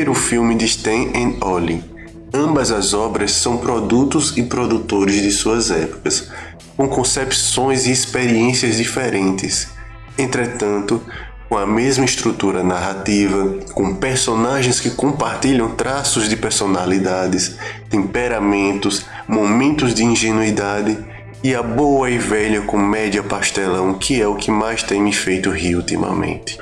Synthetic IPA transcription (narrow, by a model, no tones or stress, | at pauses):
eɾʊfiwmɪd̪iʃt̪ẽj̃ʔẽɔli | ɐ̃bɐzɐzɔbɾɐsːɐ̃w̃pɾod̪ut̪ʊzɪpɾod̪ut̪oɾɪzd̪ɪsuɐzɛpu̥kɐs | kõkõsɛpsõj̃zɪːspeɾiẽsiɐzd̪ifeɾẽnt̪ɪs | ẽnt̪ɾet̪ɐ̃nt̪ʊ | kõɐmezmɐist̪ɾut̪uɾɐnaɦat̪ivɐkõpeɾsõnaʒẽj̃skɪkõpaɾt̪iʎɐ̃w̃t̪ɾasʊzd̪ɪpeɾsonalid̪ad̪ɪst̪ẽmpeɾamẽnt̪ʊs | momẽnt̪ʊzd̪ɪĩʒenuid̪ad̪ɪ | iɐboɐivɛʎɐkõmɛd̪jɐpaʃt̪ɛlɐ̃w̃kʰɪɛʊkɪmajst̪ẽj̃mɪfejt̪ʊɦiut̪ḭmɐ̰mḛ̃nt̪ɪ̥